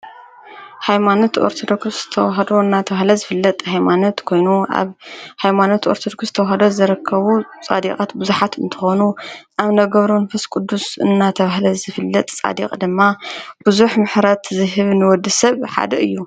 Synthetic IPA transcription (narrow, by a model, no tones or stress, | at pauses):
hajmanot̪ʰo̰ɾt̪ʰod̪okst̪ʰɐwɦɐd̪o̞ɨnːat̪ʰɐβahlɐzɨfɨlːɐt̪ʼhajmanot̪kʰo̞jnuʔa̰βhajmanot̪oɾt̪ʰod̪okst̪ʰɐwɦɐd̪ozɐɾɐkʰːɐβut͡sʼa̰d̪ikʼat̪bɨzuħat̪ɨ̰nt̪ʰɨ̥xonuʔaβnɐɡɐβɾumɐnfɐskʼud̪ːusɨ̰nːat̪ʰɐβahlɐzɨfɨlːɐt̪ʼt͡sʼa̰d̪ḭqʼd̪ɨmːab̥ɨzuħmɨħɾɐt̪zɨɦɨβnɨwɔd̪ːɨsɐβħa̰d̪ɐɨjːu